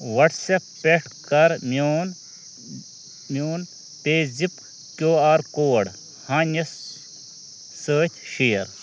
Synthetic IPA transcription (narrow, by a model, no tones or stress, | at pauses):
ʋɐʈsepːeʈʰkɐɾmoːn | mjoːn | t̪eːzip | kjoːaːɾkoːɽ | hãːnɐs | səːt̪ʰʃijɐɾ